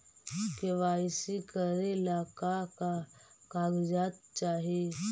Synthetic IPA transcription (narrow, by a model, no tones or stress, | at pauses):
keʋasikəɾelakakakaɡd͡ʒat̪̚t͡ʃaːɦe